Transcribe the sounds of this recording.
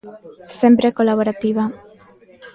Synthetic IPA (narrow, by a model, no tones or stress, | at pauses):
sempɾekolaβ̞oɾat̪iβa